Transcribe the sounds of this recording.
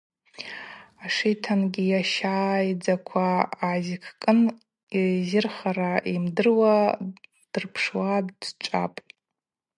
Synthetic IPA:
aʂitʰanɡʲijaʃaːjd͡zakʷʰaːzikʰkʼɨn | izɪrχaɾaʔimdɨrwa | d̥ɨrpʰʂwadʈ͡ʂʼa̰pʼ

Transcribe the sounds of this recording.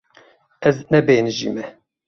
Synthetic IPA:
ɛznɛbeːnɨʒḭːmɛ

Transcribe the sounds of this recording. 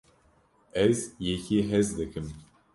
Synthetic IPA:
ɛzjɛkʰiɦɛzd̪ɨkʰɨm

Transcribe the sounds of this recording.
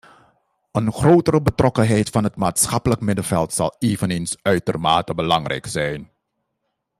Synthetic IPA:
ʔənχrowtəɾəbətrʔɔkənɦɛjtfɑnɦətmaːtsχɑpələkmɪdəvɛlˠtsɑ̰lˠeːvəneːnsœɥtərmaːtəbəlɑŋrɛ̰jksɛjn

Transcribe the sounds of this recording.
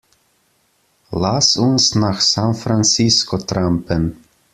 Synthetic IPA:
lasʊnsnaːxsanfɾant͡siskɔt̪ɾampən

